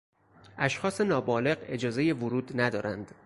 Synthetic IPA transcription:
ʔæʃxɒːse̞nɒːbɒːle̞ɢe̞d͡ʒɒːze̞je̞vʊɾuːd̪næd̪ɒːɾʔænd̪̥

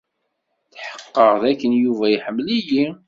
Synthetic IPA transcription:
θħə̥qːəʁðækːənjuvæjiħəmːliji

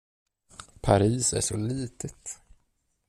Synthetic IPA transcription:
pʰaɾiːsæ̰ʂɔliːt̪ʰət̪

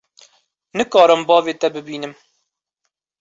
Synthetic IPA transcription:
nɨkɑːɾɨmbɑːveːt̪ɛbɨbiːnɨm

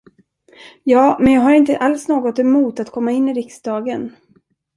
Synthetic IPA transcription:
jɑːmɛnjɑːɡɦaɾɪnt̪əʔalsnoːɡɔt̪ɛmuːt̪at̪kʰɔmːaɪnːɪɾɪksd̪ɑːɡən

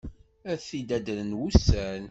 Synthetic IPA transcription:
æθid̪æd̪nənwusːæn

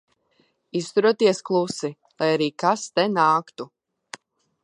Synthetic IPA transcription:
ist̪uɾuɔt̪iɛsklˠusi | lˠajaɾiːkast̪ɛnaːkt̪u

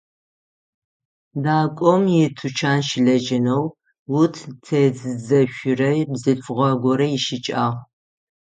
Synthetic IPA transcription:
daːkʷʼɔmjɪtʰut͡ʃʰaːnʃɪɮɐd͡ʒɪnɐw | wutʰtʰezɨzɐɕʷʊrɐjbzɨfʁʷɐɡʷɔɾɐjɪʃɪt͡ʃʼaːʁ

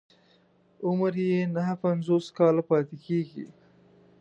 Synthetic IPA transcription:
ʊmɾjenaɦapanzoːskɑːlapɑːt̪ekeɡḭ

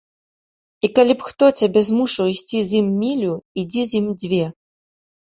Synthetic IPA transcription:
ikalʲipxt̪ɔt͡sʲabʲɛzmuʂɐwisʲt͡sʲizʲimːʲilʲuid͡zʲizʲjimd͡zʲvʲɛ

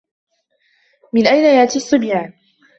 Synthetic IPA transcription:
mɪnʔajnajaʔt̪isˤːɨbjaːn

